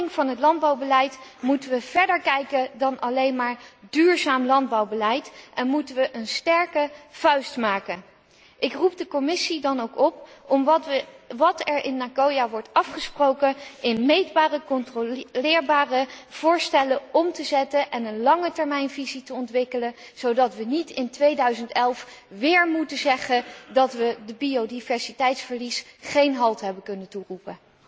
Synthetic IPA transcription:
ɪŋv̥ɑnɦətlɑnd̚bɑwbəlɛjtmutəʋəv̥ɛɹdəɹkɛjkədɑnʔɑlejnmaːɹdyːɹzaːmlɑnd̚bɑwbəlɛjtʔɛnmutəʋəʔənstɛɹkəv̥œɥstmaːkən | ʔɪkrup̚dəkɔmɪsidɑnowkɔpɔm | ʋɑtɛɹʔɪnːakowjaʋɔɹtɑfχəsprowkənɪnmejdbaːrəkɔntrolɪːɹbaːrəv̥ʊːɹstɛləɔmtəzɛtənʔɛnənlɑŋətɛɹmɛjnvizitəɔntʋɪkələ | z̥owdɑtʋənitɪntʋejdœɥzəntɛlˠf | ʋɪːɹmutəzɛχəndɑtʋədəbiodivɛɹsitɛjtsfəɹlisχejnɦɑlˠtɦɛbəkɵnənturupən

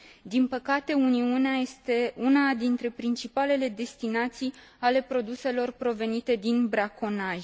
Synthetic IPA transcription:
d̪inpəkat̪e̞uniuneaje̞st̪e̞unad̪int̪ɾe̞pɾint͡ʃipale̞le̞d̪e̞st̪inat̪sij | ale̞pɾo̞d̪use̞lo̞rpɾo̞ve̞nit̪e̞d̪inbɾako̞naʒʲ

